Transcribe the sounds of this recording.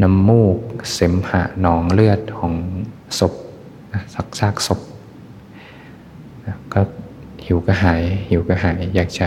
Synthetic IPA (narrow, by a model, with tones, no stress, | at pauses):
na˧˥mːuː˥˩k̚se˩˦mha̰˧˩nɔː˩˦ŋlɯ˥˩ət̪̚kʰɔː˩˦ŋ | so˨˩p̚ | na˧sa˨˧˦k̚saː˥˩k̚so˨˦p̚ | na˧kɔː˥˩ | hi˩˦wka˧ɦaː˩˦jhi˩˦wka˧ɦaː˩˦jːaː˨˩k̚t͡ɕa˧˩